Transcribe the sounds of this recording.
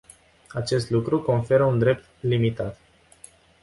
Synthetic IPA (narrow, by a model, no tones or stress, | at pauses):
at͡ʃe̞st̪lukɾuko̞nfe̞ɾəund̪ɾe̞p̚t̪limit̪at̪